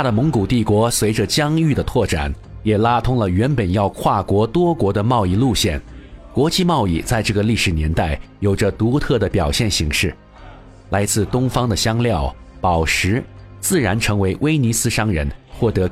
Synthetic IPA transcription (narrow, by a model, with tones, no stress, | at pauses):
t̪ʰa˥d̪ə˨mʊ˧˥ŋku˨˩t̪i˥˩kwɔ˧˥swe˧˥ɪʈ͡ʂə˧t͡ɕjɑ˥ŋy˥˩d̪ə˩t̪ʰwɔ˥˩ʈ͡ʂa̰˨˩˦n | jɛ˨˩la˥t̪ʰʊ˥ŋlə˨ɥɛ˧˥npə˨˩njɑ˥˧ʊkʰwa˥˩kwɔ˧˥t̪wɔ˥kwɔ˧˥d̪ə˧mɑ˥˧ʊi˥˧lu˥˧ɕjɛ˥˩nkwɔ˧˥t͡ɕi˥˧mɑ˥˧ʊi˥˧˩t͡sa˥˧ɪʈ͡ʂɤ˥˩ɡə˩li˥˩ʂɻ̩˨˩njɛ˧˥nt̪a˥˩ɪjo˨˩ʊʈ͡ʂə˦t̪u˧˥t̪ʰɤ˥˩d̪ə˩pjɑ˨˩ʊɕjɛ˥˩nɕi˧˥ŋʂɻ̩˥˩ | la˧˥ɪt͡sɹ̩˥˧t̪ʊ˥ŋfɑ˥ŋd̪ə˨ɕjɑ˥ŋljɑ˥˩ʊ | pɑ˨˩ʊʂɻ̩˧˥t͡sɹ̩˥˩ɻa˧˥nʈ͡ʂʰɤ˧˥ŋwe˧˥ɪwe˥ɪni˧˥sɹ̩˥ʂɑ˥ŋɻə̰˧˥nxwɔ˥˩t̪ɤ˧˥